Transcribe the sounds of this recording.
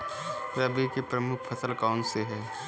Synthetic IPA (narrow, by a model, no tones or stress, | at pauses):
ʋeɐbʱikepɾəmʊkʰpʰɐsəlkɔːnseɦɛː